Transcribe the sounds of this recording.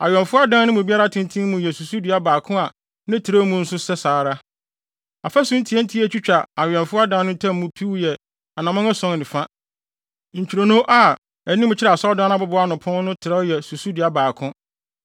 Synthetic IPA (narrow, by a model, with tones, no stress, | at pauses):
a̰˨ɥɛ̃˨nfʊ˦a˦dã˦nnɪ̃˦mũ˨bi˦a˦ɾa˦tʰɪ̃˦n˦tʰĩ˦mũ˨jɛ˨su˨su˦dɪ˨a˦baː˨kʰʊ̃˦a˨ | nɪ̃˦tʰi˨ɾɛ˦mũ˨n̩˦sʊ˦sɛ˦saː˨ɾa˦ | a˨fa˦sʊ̃˦n̩˦tʰi˨˦ɛ˦n̩˦tʰi˦æ˦t͡ɕᶣi˦t͡ɕᶣa˨a˨ɥᶣɛ̃˨nfʊ˦a˦dã˦n˦nʊ̃˦n̩˦tʰɛ̃˦m˦mũ˦pʰi˦wjɛ˨ | a˨nã˨mɔ̃˦ã˦sɔ̃˦ŋnɪ̃˨fa˦ | ɲ̩˨t͡ɕʰᶣi˨ɾo˨nõ˦ʔa˨ | ɛ˨nĩ˦mʊ̃˦t͡ɕʰɪ˦ɾɛ˨a˨sɔ˦dãː˦nã˦bʊ˦bʊ˨˦a˦nʊ̃˨pʰʊ̃˦n˦nʊ̃˦tʰɪ˨ɾɛ˦jɛ˨su˨su˦dɪ˨a˦baː˨kʰʊ̃˦